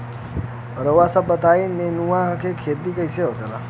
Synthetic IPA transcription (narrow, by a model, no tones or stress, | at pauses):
ɾəʋasabət̪ainenuãkʰekʰet̪ikəiseok̪ela